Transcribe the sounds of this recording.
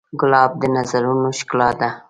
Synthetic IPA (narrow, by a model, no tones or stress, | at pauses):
ɡʊlɑːb̚d̪ənazaɾunoʃklɑd̪a